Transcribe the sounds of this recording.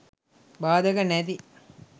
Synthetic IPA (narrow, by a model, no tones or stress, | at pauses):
baːd̪ɐɡɐnæd̪i